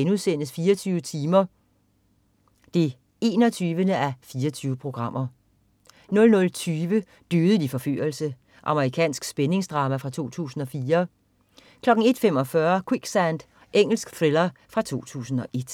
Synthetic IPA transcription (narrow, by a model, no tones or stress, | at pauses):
enuðˠsenəsfiːɐɒt͡sʰyːʊət͡sʰiːmɐ | d̥e̝ | e̝ːnɒ̽t͡sʰyːʋənəʔæfiːɐt͡sʰyːʊəpʰʁo̝ɡ̥ʁɑ̈m̰ʔɐ | nɔ̽lnɔ̽lt͡sʰyːʋə | d̥øðˠəd̥ifɒ̽fy̰ɐlsə | ʔɑ̈məʁikʰɛ̰ːnsɡ̥sb̥ene̝ŋsd̥ʁɑ̈ːmæfʁɑ̈t͡sʰo̝̰ːt͡sʰṵːsn̩ɒ̽fiːɐ | kʰlɒ̽ɡ̥ŋ̩e̝d̥fem̰ɒ̽fɶɐkʰwiɡ̥sænd̥ | eŋ̰l̩sɡ̥θʁelɐ | fʁɑ̈t͡sʰo̝̰ːt͡sʰṵːsn̩ɒ̽ʔe̝d̥